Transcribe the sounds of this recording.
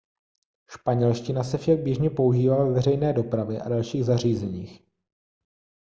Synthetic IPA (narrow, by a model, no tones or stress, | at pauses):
ʃpaɲɛlʃcɪnasɛfʃaɡ̚bjɛʒɲɛpo̞uʒiːvalaɛvɛrɛjnɛːdo̞pɾavɛʔa̰dalʃiːɣzar̝iːzɛɲiːx